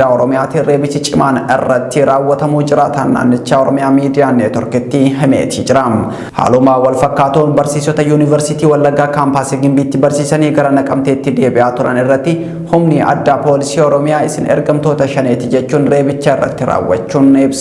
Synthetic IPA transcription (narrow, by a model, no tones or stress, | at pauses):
aːɔɾɔmɪjaːt̪ɪɾe̞ːbɪsɪt͡ʃʼɪmaːnɪ̰rːɐt̪ːɪɾaːwːɐt̪ɐmuːd͡ʒɪɾaːt̪ɐnːa̰ːnːɪt͡ʃːaːɔɾɔmɪjaːmiːd̪ɪjaːnːeːt̪ɔɾkɪt̪ːɪɦɛmḛːt̪ɪd͡ʒɪɾɐm | ha̰ːlʊmaːwɐlfɐkːaːt̪uːnbɐɾsiːsɔt̪ɐjuːnɪvɛɾsɪt̪iːwɐlːɐɡːaːkaːmpaːsɪɡɪmbiːt̪ːɪbɐɾsiːsɐniːɡɐɾɐnɐkʼɐmt̪eːt̪ːɪd̪e̞ːbɪʔaːt̪ʊɾɐ̰nɪrːɐt̪ːɪ | hʊmnɪɐ̰d̪ːaːpo̞ːlɪsiːɔɾɔmɪjaːɪsɪnɛ̰ɾɡɐmt̪o̞ːt̪ɐʃɐneːt̪ɪd͡ʒɛt͡ʃːuːnɾe̞ːbɪt͡ʃːaːɪrːɐ̰t̪ːɪɾa̰ːwːɐ̰t͡ʃːuːnɪb